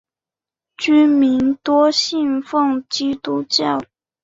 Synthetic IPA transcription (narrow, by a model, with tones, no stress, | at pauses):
t͡ɕy˥mi˧˥nt̪wɔ˥ɕi˥˧nfɤ˥˩ŋt͡ɕi˥t̪u˥t͡ɕjɑ˥˩ʊ